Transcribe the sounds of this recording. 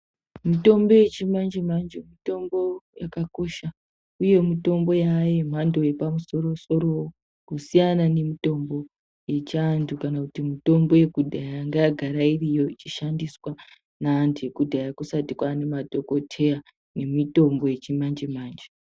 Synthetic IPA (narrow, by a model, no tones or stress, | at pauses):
mito̞mboje̞t͡ʃimand͡ʒimand͡ʒemito̞mbo̞jakako̞ʃa | uje̞mito̞mbo̞jajem̤ando̞je̞pamuso̞ɾoso̞ɾo̞wo | kusijanane̞mito̞mbo̞ | je̞t͡ʃaːntukanakutimito̞mbo̞je̞kudʱajajaŋɡajaɡʱaɾairijo̞it͡ʃiʃandiswa | naːntʰuekudʱajakusatikwaːne̞mato̞ko̞tʰe̞ja | ne̞mito̞mbo̞je̞t͡ʃimand͡ʒimaːnd͡ʒi